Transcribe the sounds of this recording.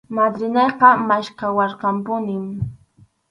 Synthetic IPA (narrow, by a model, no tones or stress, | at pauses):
mad̪ɾɪneqɑmaʃkawɑɾqɑmpʊnɪm